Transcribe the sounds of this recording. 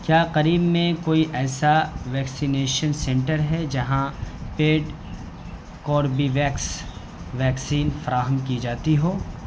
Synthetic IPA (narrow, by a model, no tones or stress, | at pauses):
kjaːqɐɾiːbmẽkoːiʔɛːsaʋɛːksineːʃənsɛ̃ɳʈəɾɦɛd͡ʒɐɦãpeːɖ | kɔːɾbiʋɛːks | ʋɛːksiːnfɐɾaːɦəmkid͡ʒaːt̪iɦoː